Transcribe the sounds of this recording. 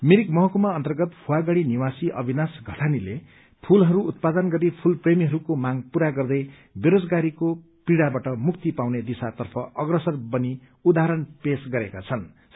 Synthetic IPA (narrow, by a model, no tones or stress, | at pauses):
miɾikmʌɦʌkumaʌnt̪ʌrɡʌt̪pʰuwaɡaɽiniwasiʔʌ̰bʱinasɡʱʌʈʰanile | pʰulɦʌɾuːt̪̚pad̪ʌnɡʌɾipʰulpremiɦʌɾukomaŋpuɾaɡʌrd̪ʌj | beɾod͡zɡaɾiko | piɽabaʈʌmukt̪ipawned̪isat̪ʌrpʰʌʔʌɡrʌsʌrbʌni | ud̪aɦʌɾʌnpesɡʌɾekat͡sʰʌn